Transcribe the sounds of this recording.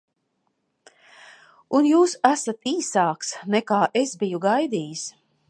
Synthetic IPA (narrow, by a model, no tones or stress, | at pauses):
unjuːsæsat̪iːsaːksnɛkaːʔesbijuɡajd̪iːjis